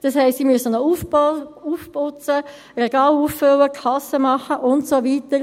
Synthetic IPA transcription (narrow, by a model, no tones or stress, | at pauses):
d̥ɑshɛɪstsiːmyəsənɔufuːfpʊt͡sə | reɡ̥ɑːluːfføləkʰɑsəmɑχəʔʊntsoviːtəɾ